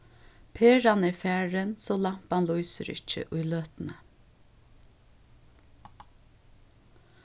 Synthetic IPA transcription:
pʰeːɹanɛɹfæːɹənsoːlam̥panlujsə̰ɾɪ̰t͡ʃːə̰ʔʊjløːt̪nə

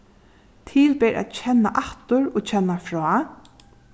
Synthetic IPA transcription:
t̪ʰiːlpeːɾʔa̰t̪t͡ɕʰɛnːaʔaht̪ʊɹɔːt͡ɕʰɛnːafɾɔː

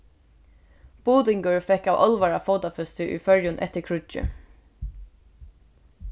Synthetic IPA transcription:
b̥uːt̪ɪŋkəɹfɛkawʔɔ̰lʋaɹafoːt̪afœst̪ɪʔṵjfœɹjʊnʔɛ̰ht̪ɪɹkʰɹʊt͡ʃɪ̰

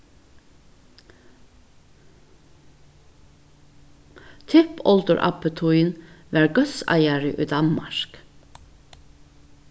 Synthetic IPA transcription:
t̪ʰɪpɔld̪əɹʔɑ̰pət̪ʰuʏənʋæːɹɡœsɑ̰ɪæɹɪʔy̰ːd̪ɑnmɑ̰ʃk

